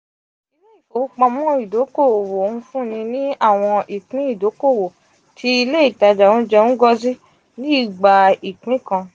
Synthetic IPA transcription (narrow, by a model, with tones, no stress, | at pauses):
i˧le˦i˨o˨˦k͡pɔ̃˧mɔ̃˦i˨do˨˦ko˦˨wo˨nũ˦fũ˦˨nĩ˧nĩ˦a˦˨w̃ɔ̃˧ʔi˨k͡pĩ˨˦i˦˨do˨˦ko˦˨wo˨ | tʰi˦i˧le˦i˦˨ta˧d͡ʒa˨wũ˦d͡ʒɛ˧ũ˦ɡɔ˧zi˦ | nĩ˦˨ɡ͡ba˨i˨k͡pĩ˨˦kã˧